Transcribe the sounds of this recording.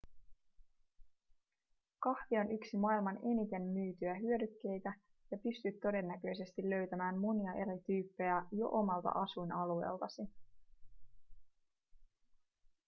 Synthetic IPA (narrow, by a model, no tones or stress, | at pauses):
kɑhʋio̞nyksimɑːilmɑne̞nit̪e̞mmyːt̪yæɦyø̞dykːe̞jt̪æ | jɑpyst̪yt̪ːo̞de̞nːæk̟ø̞jse̞st̪ilːø̞ɥt̪æmæːnmuniɑʔe̞ɾit̪yːpːe̞jæjo̞̰ʔomɑlt̪ɑ̰ʔɑsujnɑlue̞̰ːlt̪ɑsi